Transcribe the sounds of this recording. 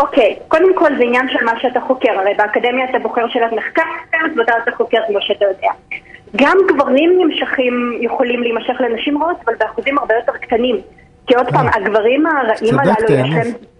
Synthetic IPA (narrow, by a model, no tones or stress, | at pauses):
ʔo̞kejko̞demko̞lzeinjanʃelmaʃeataχokeʁaʁejbeakademjaːtaboχe̞ʁʃelatmeχkaʁteotveatat̪aχoke̞ʁkmoʃeat̪ajo̞deaɡamɡvaʁimnimʃaχimjuχolimlimaʃe̞χlenaʃimʁaotavalbeaχuzimhaʁbejo̞te̞ʁktanim | kio̞dpaːmaɡvaʁimaʁaʔimalalujaʃem